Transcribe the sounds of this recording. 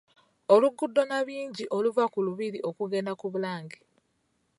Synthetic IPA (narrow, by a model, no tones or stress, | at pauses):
o̞luɡudːo̞naβiːɲɟiʔo̞luvakuluβiɾiʔo̞kuɡe̞nakuβulaːɲɡi